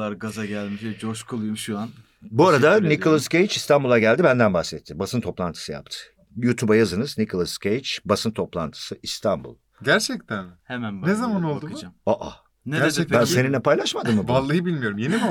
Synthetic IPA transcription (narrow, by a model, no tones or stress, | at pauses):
aɾɡazaɟælʲmiʃɛd͡ʒoʃkʰolˠujumʃuan | buaɾad̪anikʰolˠascʰejt͡ʃist̪ʰanbulˠaɟælʲd̪ibænd̪ænbaxsɛt̪ʰːibasɯnt̪ʰo̞plˠant̪ʰɯ̥sɯja̰p̚t̪ʰɯ̥ | juːt̪ʰubajazɯnɯznikʰolˠascʰejt͡ʃbasɯnt̪ʰo̞plˠant̪ʰɯ̥sɯʔist̪ʰambṵlˠ | ɟæɾt͡ʃʰɛc̚t̪ʰænhemænbnezamanolˠd̪uamaʔa̰ | net͡ʃɛbænsse̞ninːɛpʰajlˠaʃmad̪ɯmːɯvalˠːajɯbilʲmijo̞ɾumjeniva